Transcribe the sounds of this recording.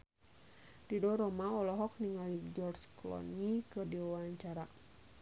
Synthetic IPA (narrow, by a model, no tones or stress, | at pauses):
didɔɾɔmaɔlɔɦɔk̚niŋalid͡ʒɔrt͡ʃklɔ̰nikədiwaɲt͡ʃaɾa